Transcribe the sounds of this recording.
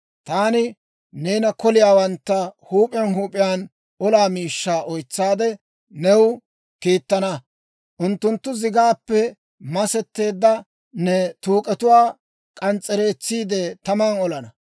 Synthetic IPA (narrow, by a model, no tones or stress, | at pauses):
t̪aːnɪ | ne̞ːnɐkɔlɪjaːwɐnt̪ːɐhuːpʼɪjɐnɦuːpʼɪjaːn | ɔlaːmiːʃːaːʔɔjt͡sːaːd̪ɛ | nɛw | kiːt̪ːɐnɐ | ʔʊnt̪ːʊnt̪ːʊzɪɡaːpːɛ | mɐsɛt̪ːe̞ːd̪ːɐ | nɛt̪uːkʼɛt̪ʊwaː | kʼɐnt͡sʼːɛɾe̞ːt͡sːiːd̪ɛt̪ɐmanɔlɐnɐ